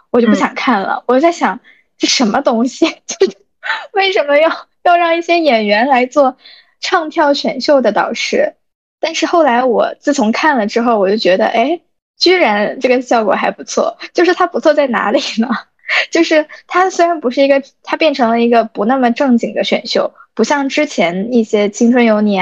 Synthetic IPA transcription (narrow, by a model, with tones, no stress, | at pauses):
wɔ˨˩t͡ɕo˥˧ʊp̬ɕjɑ˨˩ŋkʰa˥˩nlə̰˩wɔ˨˩t͡ɕo˥˧t͡sa˥˩ɪɕjɑ˨˩˦ŋ | ʂɻ̩˥˩ʂə˧˥nmə˧t̪ʊ˥ŋɕi˨t͡ɕjo˥˩ʊ˥ | we˥˩ɪʂə˧˥nmə˧jɑ˥˧ʊjɑ˥˧ʊɻɑ˥˧ŋi˥˩ɕjɛ˥jɛ˨˩nɥɛ˧˥nla˧˥ɪt͡swɔ˥˧ | ʈ͡ʂʰɑ˥˧ŋt̪ʰjɑ˥˩ʊɕɥɛ˨˩nɕjo˥˩ʊd̪ə˩t̪ɑ̰˨˩ʊʂɻ̩˥˩ | t̪a˥˧nʂɻ̩˥˧xo˥˩ʊla˧˥ɪwɔ̰˨˩t͡sɹ̩˥˩t͡sʰʊ˧˥ŋkʰa˥˩nlə˩ʈ͡ʂɻ̩˥xo˥˧ʊwɔ˨˩t͡ɕjo˥˩ʊt͡ɕɥɛ˧˥d̪ə̰˧ʔe˥˩ɪ | t͡ɕy˥ɻa˧˥nʈ͡ʂɤ˥˩ɡə˩ɕjɑ˥˩ʊkwɔ̰˨˩xa˧˥ɪpu˧˥t͡sʰwɔ̰˥˩t͡ɕjo˥˧ʊʂɻ̩˥˩t̪ʰa˥pu˧˥t͡sʰwɔ˥˧t͡sa˥˩ɪna̰˧˥li˨˩nə˦ | t͡ɕjo˥˧ʊʂɻ̩˥˩t̪ʰa˥swe˥ɪɻa˧˥npu˧˥ʂɻ̩˥˩i˧˥ɡə˧t̪ʰa˥pjɛ˥˩nʈ͡ʂʰɤ˧˥ŋlə˧i˧˥ɡə˧pu˧˥na˥˩mə˩ʈ͡ʂɤ˥˩ŋt͡ɕi˨˩ŋd̪ə˦ɕɥɛ̰˨˩nɕjo˥˩ʊpu˧˥ɕjɑ˥˧˩ŋʈ͡ʂɻ̩˥t͡ɕʰjɛ˧˥ni˥˩ɕjɛ˥t͡ɕʰi˥ŋʈ͡ʂʰwə˥njo˧˥ʊnjɛ˧˥